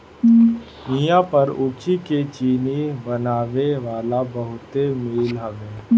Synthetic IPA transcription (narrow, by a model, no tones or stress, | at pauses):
ijãpɐɾʊːt͡ʃiket͡ʃiːnibɐnaːʋeʋaːlabɐɦʊt̪emiːlɦoʋeː